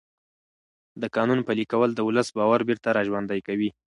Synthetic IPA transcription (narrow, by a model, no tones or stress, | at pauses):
d̪əkɑnunpəlikawəld̪əʊləsbɑwaɾbɪɾt̪aɾɑʒwand̪ajkawi